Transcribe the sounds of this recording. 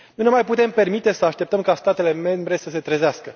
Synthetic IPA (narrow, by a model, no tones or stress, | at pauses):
nunemajput̪e̞mpe̞rmit̪e̞səaʃt̪e̞p̚t̪əmkast̪at̪e̞le̞me̞mbɾe̞səse̞t̪ɾəzeaskə